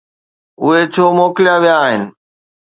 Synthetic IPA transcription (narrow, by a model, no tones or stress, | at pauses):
ʊɦet͡ɕʰoːmoːkɪlijaʋijaːɦɪnɪ̆